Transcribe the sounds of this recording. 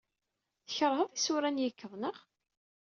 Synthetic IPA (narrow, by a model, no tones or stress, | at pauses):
θəçəɾˤɦəðˤisʊɾænjəkːəðˤnəʁ